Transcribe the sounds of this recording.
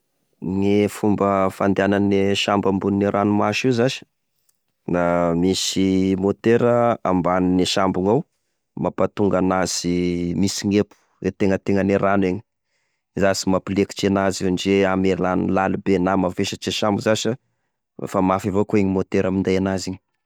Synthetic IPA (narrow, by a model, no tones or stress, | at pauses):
ŋifumbəfand̪eananeʃambambuniniɾʔanumaʃiwzaʃə̥ | namisimot̪eɾəambanineʃambuŋaw | mapat̪uŋɡanaz̥imisiŋepu̥wet̪eŋət̪eŋəneɾʔanweɲi̥ | zasimapileki̥t͡ʃenazinid͡ʒeamelanilalubenamafeʃət͡ʃeʃambuzaʃə̰ | famafivokoeɲimot̪eɾamind̪ajanaziɲi